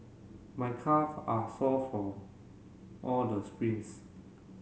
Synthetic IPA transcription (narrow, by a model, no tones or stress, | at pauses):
majkʰafasɔfɔ | ʔɔldəspɹĩns